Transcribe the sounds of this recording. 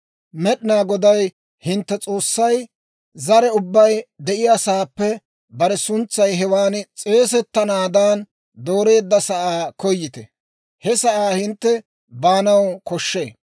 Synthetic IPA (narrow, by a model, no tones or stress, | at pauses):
mɛɗɪnaːɡɔd̪ɐj | hɪnt̪ːɛt͡sʼo̞ːsːɐj | zɐɾɛʊbːɐjd̪ɛʔɪjasaːpːɛ | bɐɾɛsʊnt͡sːɐjɦɛwaːnt͡sʼe̞ːs̬ɛt̪ːɐnaːd̪aːn | d̪o̞ːɾe̞ːd̪ːɐsɐʔaːkɔjːɪt̪ɛ | hɛsɐʔaːhɪnt̪ːɛ | baːnɐwkɔʃːḛː